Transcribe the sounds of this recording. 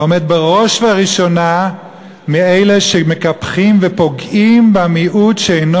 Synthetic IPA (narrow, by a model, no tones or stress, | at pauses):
omed̪̚beʁo̞ʃvaʁiʃo̞na | miejleʃeme̞kapχimvepo̞ɡimbamiʔut̪ʃeejn